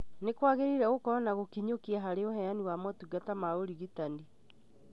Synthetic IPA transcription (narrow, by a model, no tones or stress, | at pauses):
nekwaɣeɾiɾɛɣokɔɾɔnaɣokiɲokiaɦaɾeoɦɛaniwamɔtuɡatamaoɾiɣitandi